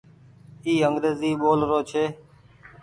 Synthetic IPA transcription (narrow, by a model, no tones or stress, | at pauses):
iːəŋɡɾeːziːɓoːlɾoːt͡ʃʰeː